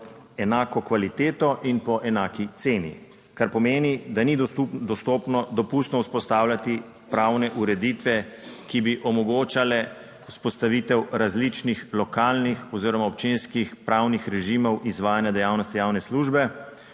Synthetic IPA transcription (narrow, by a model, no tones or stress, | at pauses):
ɛnaːkɔkʋalit̪eːt̪ɔʔinpɔʔɛnaːkit̪seːnḭ | kaɾpɔmeːnid̪anid̪ud̪ɔst̪ɔpnɔd̪ɔpust̪nɔuspɔst̪aːwlat̪i | pɾawnɛʔuɾɛd̪it̪ʋɛkibiʔɔmɔɡoːt͡ʃalɛ | uspɔst̪aʋit̪ɛwɾazlit͡ʃnixlɔkaːlnixɔziːɾɔmaɔp̚t͡ʃeːnskixpɾawnixɾɛʒimɔwʔizʋaːjanjad̪ɛjaːwnɔst̪ijawnɛsluʒbɛ